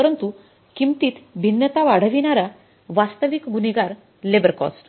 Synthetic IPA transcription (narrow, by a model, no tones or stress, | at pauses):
əɾənt̪u | kimt̪iːt̪bʱinːət̪aʋaɽ̤əʋinaɾa | ʋast̪əʋikɡuniɡaɾ | lebəɾkɔ̰sʈ